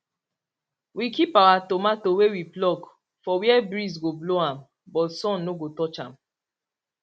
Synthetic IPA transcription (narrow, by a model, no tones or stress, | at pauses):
wikipawatomatowewiplɔɡ | fɔwiɛbɾisɡobloãm | bɔtsɔ̃nːoɡotɔt͡ʃã̰m̩